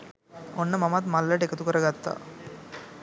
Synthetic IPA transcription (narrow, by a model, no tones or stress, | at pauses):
onːɐmɐmɐt̪mɐlːɐʈekɐt̪ukɐɾɐɡɐt̪ːa̰